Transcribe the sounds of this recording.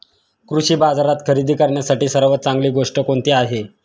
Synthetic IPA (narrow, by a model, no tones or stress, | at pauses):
kɾuɕiːbad͡zaɾat̪kʰəɾid̪ʱiːkəɾɳjasaʈiːsəɾʋət̪̚t͡saŋɡliːɡoʂʈəkoɳt̪iːaɦe